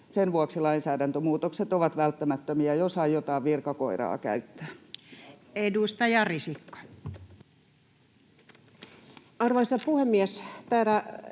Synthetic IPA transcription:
senʋuɑksilɑinsæːdænt̪ømuːt̪okset̪oʋɑt̪ʋælt̪ːæmæt̪ːømiæjosɑjot̪ɑːʋʋirkɑkoirɑ̰ːkæ̰yt̪ːæ̥ː | edust̪ɑjɑrisikːo̥ | ɑrʋɑisɑpuhemːiest̪æːt̪æ

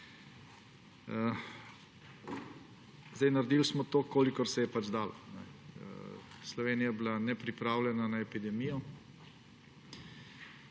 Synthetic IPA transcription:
ə | zd̪ɛjnaɾd̪ilsmɔt̪okoːlikɔɾsɛjɛpad͡ʒd̪aːlɔnɛ̰ | slɔʋeːnijablanɛpɾipɾaːwlɛnanaɛpid̪ɛmijɔ

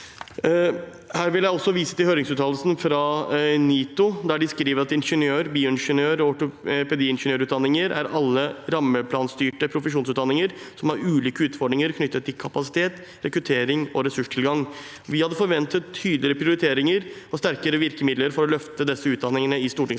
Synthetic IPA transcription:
hæːɾʋɪljæɪɔsːɔʋiːsə̥t̪ɪlhøːɾɪŋsʉːt̪ʰɑːllsnfɾɑːniːt̪ʊd̪æɖɪskɾiːʋəɾɑt̪ɪnʂənjøːɾbiːʊɪnʂənøːɾɔɔʈʊpɛd̪iːɪnʂənøːɾʉːt̪d̪ɑnːɪŋəɾæ̰ɾɑlːəɾɑmːəpʰlɑːnst̪yːʈəpʰɾʊfəʂuːnsʉːd̪ɑnːɪŋəɾsɔmhɑɾʉːliːkəʉːt̪fɔɖɳɪŋəɾkʰnʏt̪ːət̪ʰːɪlkʰɑpɑsɪ̥t̪ʰeːt̪ | ɾɛkɾʉt̪ʰeːɾɪŋɔɾɛsʉʂʈʰɪlɡɑŋ | ʋɪhɑd̪ːəfɔɾʋɛnt̪ət̪ʰːyːd̪lɪəpʰɾɪʊɾɪt̪ʰeːɾɪŋəɾɔst̪æɾkəɾəʋɪɾkəmɪd̪ləɾfɔɾɔlœft̪əd̪ɛsːəʉːd̪ɑnːɪŋənəɪst̪uːʈɪŋs

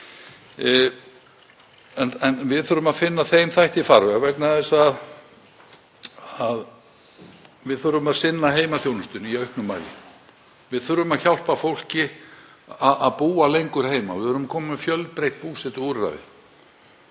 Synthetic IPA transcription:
ɛnɛnvɪðθœɾʏmaðfɪnːaθejmθajht̪ifaɾvɛɣavɛknaðɛsað | að | vɪðθʏɾʏmaðsɪnːaɦeːjmaθjownʏst̪ʏniœɥhknʏmːa̰ːjlɪ̰n | vɪðθʏɾʏmaðçawl̥pafowl̥cɪ | aaðpuːalejŋkʏɾ̥heːjma̰vɪðœɾʏmakʰɔːmmɛfjœlpɾejht̪̚puːsɛt̪ɔuɾra̰ɥðɪ̰

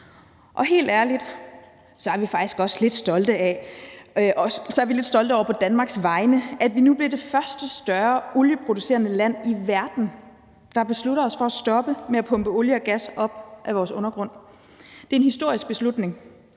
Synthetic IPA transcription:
ʔɒ̽ɦe̝̰ːld̥æɐlid̥ | sɒ̽æɐʋifɑ̈ɡ̥d̥isɡ̥ɒ̽sle̝d̥sd̥ɒ̽ld̥əɛ | ʔɒsɒ̽æɐʋile̝d̥sd̥ɒ̽ld̥əɒ̰ʊɐpʰɒ̽d̥ænmɑ̈ːɡ̥sʋɑ̈ɪnəʔæd̥ʋinub̥le̝d̥e̝fɶɐsd̥əsd̥ɶɐʔoljəpʰʁo̝d̥use̝ːɐnəlæn̰iʋæɐd̥n̩ | d̥ɑ̈b̥e̝sluɾɐɒ̽sfɒ̽æsd̥ɒ̽b̥əmeæpʰɔ̽mb̥əoljəɒ̽ɡ̥æsɒ̽b̥̚ʔæʋɒːsɔ̽nɐɡ̥ʁɔ̽n̰ | d̥e̝æɐenhisd̥o̝ɐ̰isɡ̥̚b̥e̝slud̥ne̝ŋ

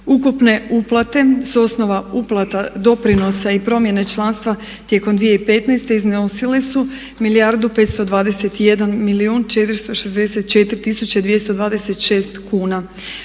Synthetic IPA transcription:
ukupne̞uplˠat̪e̞suo̞sno̞ʋauplˠat̪ad̪o̞pɾino̞saipɾo̞mje̞ne̞t͡ʃlˠanst̪ʋa | t̪je̞ko̞md̪ʋije̞ipe̞t̪nast̪e̞iznosilesu | milijaɾd̪upe̞t̪st̪o̞d̪ʋaːd̪ese̞t̪ije̞d̪anmiliuːnt͡ʃe̞t̪ɾist̪o̞ʃezd̪e̞se̞t̪̚t͡ʃe̞t̪ɾit̪isut͡ɕad̪ʋije̞st̪o̞d̪ʋaːd̪e̞set̪ʃe̞ːst̪kuːna

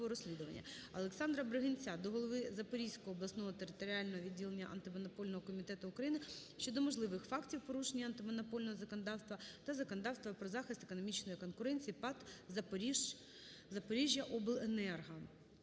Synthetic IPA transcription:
ɔɾɔsʲlʲid̪ʊʋɐ̰nʲːɐ̰ɐlˠeksɑnd̪ɾɐbɾeɦɪnʲt͡sʲad̪ɔɦɔlˠɔʋɪzɐpɔɾʲijsʲkɔɦɔːblˠɐsnɔɦɔt̪eɾɪt̪ɔɾʲiɑlʲnɔɦɔʋʲidʲːilˠenʲːɐ̰ʔɐ̰nt̪ɪmɔnɔpɔlʲnɔɦɔkɔmʲit̪ɛt̪ʊʊkɾɐjinɪʃʲt͡ʃɔd̪ɔmɔʒlˠɪʋɪxfɑktʲiwpɔɾuʃenʲːɐɐnt̪ɪmɔnɔpɔlʲnɔɦɔzɐkɔnɐd̪ɑwst̪ʋɐt̪ɐzɐkɔnɐd̪ɑwst̪ʋɐpɾɔzɑxɪst̪ekɔnɔmʲit͡ʃnɔjikɔnkʊɾɛnʲt͡sʲijipɑt̪zɐp | zɐpɔɾʲiʒʲjɐʔɔblˠenɛrɦɐ

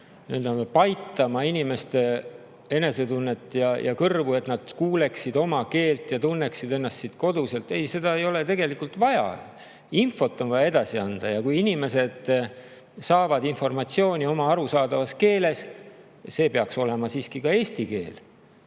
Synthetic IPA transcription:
neld̪ɑnepɑjt̪ːˑɑmɑinʲime̞st̪e̞ | e̞ne̞se̞t̪unːe̞t̪ːˑjɑjʔɑ̰kɤrvuet̪nɑd̪̥kuːle̞ksid̪̥o̞mɑke̞ːlt̪jɑt̪unːe̞ksid̪e̞nːɑst̪sit̪ko̞d̪use̞lt̪e̞jse̞d̪ɑe̞jo̞le̞t̪e̞ɡe̞likult̪vɑjɑ̰ | info̞t̪ːˑo̞nvɑjɑe̞d̪ɑsiɑnd̪̥ɑjɑkujinime̞se̞d̪̥ | sɑːvɑd̪info̞rmɑt̪sio̞ːnʲio̞mɑɑɾusɑːd̪ɑvɑske̞ːle̞s | se̞ːpeɑkso̞le̞mɑsiːskikɑe̞ːst̪ike̞̰ːl

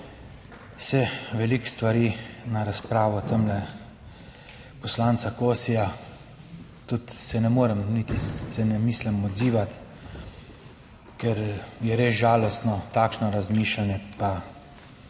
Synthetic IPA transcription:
wsɛʋɛlikst̪ʋaɾinaɾaspɾaːʋɔt̪əmlɛ | pɔslaːnt̪sakoːsija | t̪ut̪sɛnɛmoːɾɛmnit̪isɛnɛmiːslɛmɔd̪ziːʋat̪ | kɛɾjɛɾeːsʒaːlɔst̪nɔt̪aːkʃnɔɾazmiːʃlanjɛpa

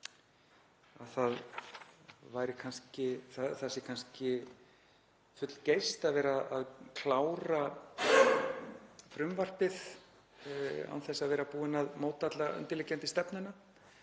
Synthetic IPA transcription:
aðθað | vajɾɪkʰanscɪθaðθɛsɪkʰanscɪ | fʏt̪l̥cejst̪aðvɛːɾaðaðkʰlaːwɾa | fɾʏmvar̥t̪ɪð | a̰nθɛsːaðvɛːɾapuːɪnaðmoːwt̪at̪laɣʏ̰nt̪ɪlɛcːɛnt̪ɪst̪ɛpnʏna

